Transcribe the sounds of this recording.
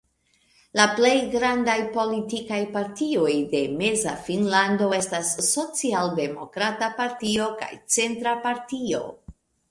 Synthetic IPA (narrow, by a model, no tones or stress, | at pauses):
laple̞jɡɾandajpo̞litikajpaɾtio̞jde̞me̞zafinlando̞e̞stasːo̞t͡sialde̞mo̞̰kɾatapaɾtio̞ka̰jt͡se̞ntɾapaɾtio̞̰